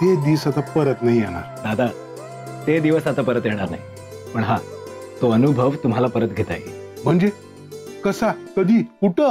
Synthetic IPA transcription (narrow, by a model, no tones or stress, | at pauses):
t̪ed̪iʋsat̪apəɾət̪naɦijeɽ̃a̰ɾd̪ad̪ʱa | t̪ed̪iʋəsat̪apəɾət̪jeɽ̃aɾna̰ɦi | pəɳɦat̪oənubʱəʋt̪um̤alapəɾət̪ɡʱet̪a̰jḛm̤əɳd͡ze | kəsak̪əd̪ʱiːkuʈə